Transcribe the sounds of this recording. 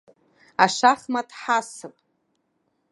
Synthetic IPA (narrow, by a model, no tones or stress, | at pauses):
aʂaχmatʰʼħasɨpʼ